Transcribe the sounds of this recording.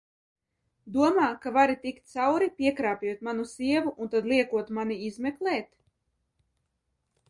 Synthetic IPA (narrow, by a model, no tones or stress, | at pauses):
d̪uɔmaːkavaɾit̪ikt̪̚t̪sawɾipʲiɛkɾaːpjuɔt̪̚manusiɛvuʔunt̪ad̪lˠiɛkuɔt̪maniizmɛklɛːt̪